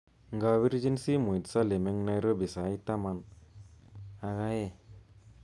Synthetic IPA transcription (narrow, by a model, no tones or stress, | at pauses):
ŋɡawiɾd͡ʒinsimujt̪salemɛŋnajɾɔbisajt̪aman | aɡaje